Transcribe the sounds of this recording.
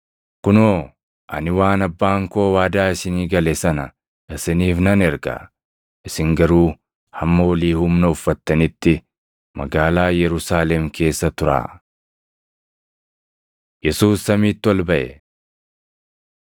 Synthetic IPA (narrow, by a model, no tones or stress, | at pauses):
kʊnoː | ʔɐ̰nɪwaːnɐbːaːŋko̞ːwaːd̪aːɪsɪniːɡɐlɛsɐnɐ | ʔɪsɪniːfnɐnɛɾɡɐ̰ | ʔɪsɪŋɡɐɾuː | hɐmːɐwɐliːhʊmnɐʊfːɐt̪ːɐnɪt̪ːɪ | mɐ̰ɡaːlaːjɛɾʊsaːlɛmkʰe̞ːsːɐt̪ʊɾa̰ː | jɛsuːsːɐmiːt̪ːɪwɔlbɐʔɛ̰